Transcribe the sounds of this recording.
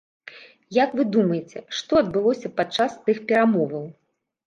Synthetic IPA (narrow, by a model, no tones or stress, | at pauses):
jakvɨd̪umɐjet͡sʲɛʂt̪ɔɐd̪̚bɨlˠɔsʲɐpat͡ʂːast̪ɨxpʲɛɾamɔvɐw